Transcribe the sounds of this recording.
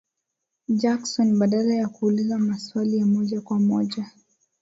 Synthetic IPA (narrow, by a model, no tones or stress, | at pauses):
d͡ʒaksɔnɓaɗalajakuːlizamaswalijamɔʄakwamɔʄa